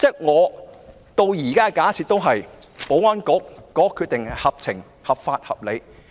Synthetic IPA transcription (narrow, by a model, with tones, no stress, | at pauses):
t͡sɛ˥k̚ŋɔː˨˧ | t̪o˧wjiː˨˩kaː˥˧kaː˨˥t͡sʰi˨t̚t̪o˥wɦɐ˨j | po˨˥wkaː˥nkʊ˨˥kːɔː˨˥kʰːy˧t̚t̪ɪ˨ŋɐ˧hɐ˨p̚t͡sʰɪ˨˩ŋ | hɐ˨p̚faː˧t̚hɐ̰˨p̚le˨˧j